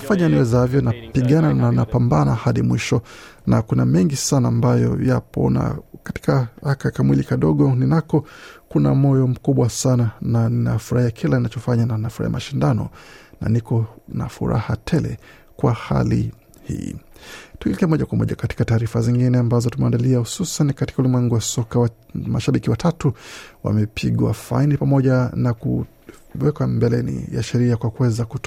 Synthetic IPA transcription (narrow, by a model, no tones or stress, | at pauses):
faɲaniwɛzaavjɔnapiɠanananapambanahaɗimwiʃɔnakunamɛŋɡisanaːmbajɔ̰japɔ̰na̰kati̥kaakakamwilikaɗɔɠɔninakɔkunamɔjɔm̩kuɓwasanananinafuɾahiakʰilaninat͡ʃɔfaɲananafuɾa̰ḭja̰maʃindanɔ̰na̰nikɔna̰fṵɾa̰hatʰɛlɛ̰ | kwaha̰lḭ | hḭːtulikɛɛmɔʄakwamɔ̰ʄakati̥kataːɾifaziŋɡinɛambazɔtumɛandaliahususanikati̥kaulimwɛŋɡuwasɔkawa | maʃaɓikiwatʰatuwa̰mɛpʰiɠwa̰fa̰inipamɔʄanaku | wɛkwambɛlɛnḭja̰ʃɛɾiakwakuwɛzakut